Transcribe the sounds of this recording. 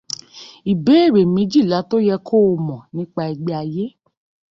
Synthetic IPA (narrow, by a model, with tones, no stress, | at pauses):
i˨be˨˦e˦˨ɾe˨mĩ˨˦d͡ʒi˦˨la˨˦to˦jɛ˧kʰo˦˧mɔ̃˨nĩ˦k͡pa˧i˧ɡ͡bɛ˧a˧je˦